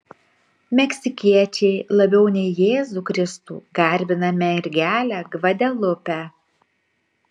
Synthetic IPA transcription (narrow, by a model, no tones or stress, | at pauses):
mʲɛksʲɪkʲiɛt͡ʃʲɛɪlˠɐbʲɛʊnʲɛɪjeːzuːkɾʲɪst̪ṵːɡɐɾʲbʲɪnɐmʲɛɪɾʲɡʲæːlʲæɡʋɐd̪ʲɛlˠʊpʲæ